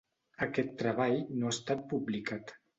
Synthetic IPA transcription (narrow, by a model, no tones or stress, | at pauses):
əkɛt̪ːɾəβajnoast̪at̪̚publikat̪